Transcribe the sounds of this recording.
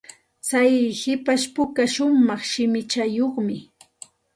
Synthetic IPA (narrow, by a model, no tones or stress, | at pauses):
t͡sajhɪpaʃpʊkaʃʊmɑχʃɪmɪt͡ʃajoχmɪ